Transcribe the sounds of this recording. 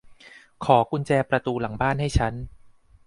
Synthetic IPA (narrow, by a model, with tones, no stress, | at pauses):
kʰɔː˩˦kʰu˧nt͡ɕɛː˧pɾa˧t̪uː˧la˩˦baː˥˩nha˥˩jt͡ɕʰa˦˥n